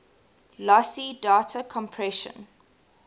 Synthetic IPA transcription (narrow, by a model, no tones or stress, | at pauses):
lɔsidaːtʰəkʰɔ̃mpʰɹɛʃə̰̃n